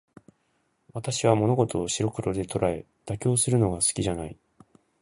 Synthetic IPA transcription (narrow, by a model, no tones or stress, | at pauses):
βat̪aɕiβamo̞no̞ɡo̞t̪o̞ːɕiɾo̞kɯ̟ɾo̞d̪e̞t̪o̞ɾae̞̰ | d̪̥akʲo̞ːsɨɾɯ̟no̞ɡasɨ̥kʲiʑanai